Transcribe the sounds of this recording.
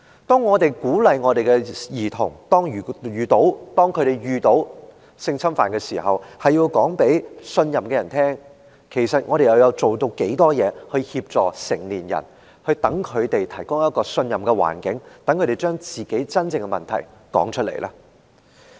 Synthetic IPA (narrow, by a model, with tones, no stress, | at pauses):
t̪ɔː˥ŋːɔː˨˧t̪e˨˩jkuː˨˥lɐ˨jŋɔː˨˧t̪e˨jɡɛ˧jiː˨˩t̪ʰʊ˨˩ŋt̪ɔː˥ŋyː˨˩jyː˨t̪o˨˥wt̪ɔː˥ŋkʰɵ˨˧t̪e˨jjyː˨t̪o˨˥w | sɪ˧ŋt͡sʰɐ˥mfaː˨nkɛː˧siː˨˩hɐ˨whɐ˨jiː˧wkɔː˨˥ŋpe˨˥jsɵ˧njɐ˨mkɛː˧jɐ˨˩nt̪ʰɛː˥ŋ | kʰe˨˩jsɐ˨t̚ŋɔː˨˧ɾe˨jɐ˨˧wjɐ˨˧wt͡so˨wt̪o˧wke˨˥jt̪ɔː˥jɛː˨˧hɵ˧hiː˧p̚t͡sɔː˨˩sɪ̰˨˩ŋliː˨˩njɐ̰˨˩n | hɵ˧ɥt̪ɐ˨˥ŋkʰɵ˨˧ɥt̪e˨jt̪ʰɐ˨˩jkʊ˥ŋjɐ˥t̚kɔː˧sɵ˧njɐ˨mkɛ˧wa̰ː˨˩nkɪ˨˥ŋt̪ɐ˨˧˥ŋkʰɵ˨˧˥ɾe˨˩jt͡ʃœː˥ŋt͡siː˨˩ke˨˥jt͡sɐ˥nt͡sɪ˧ŋɡɛ˧mɐ̰˨nt̪ʰɐ˨˩jkɔ̰ː˨˥ŋt͡ʃʰɵ˥lḛ˨˩lʔaː˥